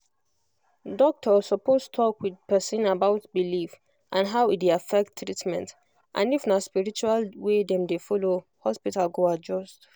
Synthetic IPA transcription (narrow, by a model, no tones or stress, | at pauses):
dɔk̚tʰɔsɔposttʰɔkwidpɛsə̃nabaʊtbilif | ʔãnɦaʊideafɛk̚tʰːɹitmɛ̃nt | ʔã̰nifnaspiɹit͡ʃualwedɛ̃mdefɔlohɔspitalɡoad͡ʒɔst